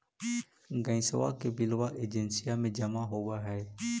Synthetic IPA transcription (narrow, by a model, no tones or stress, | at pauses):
ɡə̃ĩːsəʋa̰ːkebɪlʋaːʔeːd͡ʒənsɪjaːmẽd͡ʒəmaːɦoːʋaːɦɛː